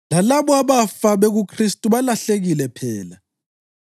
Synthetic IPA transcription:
lalaβɔaβafaβeɣukʰristʼuβalaɬeɣilɛpʰɛːla

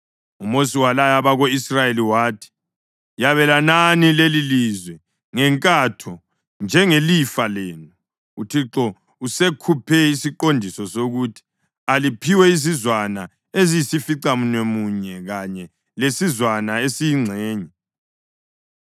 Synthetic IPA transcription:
umosiwalajaβaɣoisrajeliwaːtʰi̥ | jaβɛlananilelilizwɛ | ŋɛŋkʼatʰɔ | nd͡ʒʱɛŋelifalɛːnu | utʰiǁɔ | usekʰupʰɛisiǃondʱisɔsoɣutʰi̥ | alipʰiwɛizizwana | ezijisifiǀamunemuɲɛɣaɲɛ | lesizwanaesijiŋ͡ǀʱɛːɲɛ

